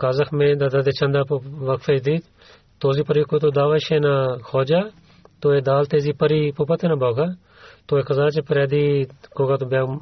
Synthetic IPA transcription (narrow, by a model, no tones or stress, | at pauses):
kaːzəkʰmẽːd̪ad̪aːd̪eːt͡ʃɐ̃nd̪aːʋɐkfeːd̪iːt̪ | t̪oːziːpəɾiːkot̪̬oːd̪aːʋaːʃẽːnaːxʰoːd͡ʒaː | t̪oːeːd̪aːlt̪eːziːpəɾiːpopat̪enãːbʱoːɡaː | t̪oːeːkəzaːt͡ʃepəɾeːd̪iːkoɡaːt̪obaː